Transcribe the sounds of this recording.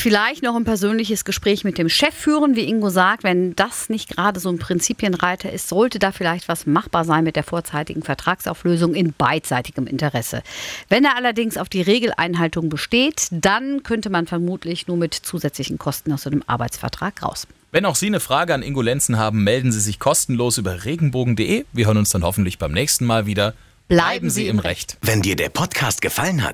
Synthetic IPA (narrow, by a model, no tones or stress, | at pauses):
fɪlaɪçtnɔχɪnpɛɐzøːnlɪçəsɡ̥əʃpʁ̥ɛːçmɪt̚d̥eːmʃɛfːyːʁənviːʔɪŋɡozaːk̚tv̥ɛnd̥asnɪçt̚ɡ̥ʁaːdəzoːnpʁ̥ɪnt͡siːpjənʁaɪtʰɐʔɪstz̥ɔltədaːfɪlaɪçtv̥asmaχb̥aːɐzaɪnmɪt̚d̥eːɐfoːɐt͡saɪtɪ̰ɡŋ̩fɛɐtʁ̥aːksʔa̰ʊfløːzʊŋɪnb̥aɪt͡saɪtɪɡəmɪ̰ntəʁɛsə̰vɛneːɐʔalɐdɪŋsaʊfd̥iːʁeːɡl̩ʔa̰ɪnɦaltʊŋbəʃteːtd̥ankʰœntəmanfɛɐmuːtʰlɪçnuːɐmɪtt͡suːzɛt͡slɪçn̩kʰɔstn̩aʊsz̥aɪnəmʔa̰ɐbaɪt͡sfɛɐtʁ̥a̰ːkʁa̰ʊs | vɛnaʊxz̥iːnəfʁ̥aːɡəanʔɪŋɡolɛnt͡sn̩haːbm̩mɛldn̩ziːzɪçkʰɔstn̩loːsʔyːbɐʁeːɡŋ̩boːɡŋ̩deːʔeːviɐɦøːɐənʊnsd̥anhɔfn̩tlɪçb̥aɪmnɛːçstn̩maːlviːdɐ | b̥laɪbm̩ziːɪmʁɛ̰çtvɛndiːɐdeːɐpʰɔtkʰaːstɡ̥əfaləna̰t